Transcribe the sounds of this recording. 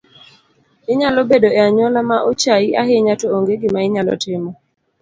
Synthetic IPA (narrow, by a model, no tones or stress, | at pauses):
ɪɲalɔbedoɛaɲwɔlamaʔot͡ʃaiʔaɦeɲatɔoŋɡeɡɪmaɪɲalɔ̰tɪmɔ